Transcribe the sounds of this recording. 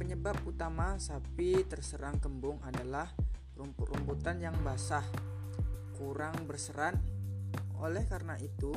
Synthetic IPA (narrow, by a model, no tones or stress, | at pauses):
pəɲəbap̚ut̪amasapit̪ərsəɾaŋkəmbʊŋadalah | ɾumpurumput̪anjaŋbasah | kuɾaŋbərsəɾan | o̰lɛhkaɾənaʔit̪u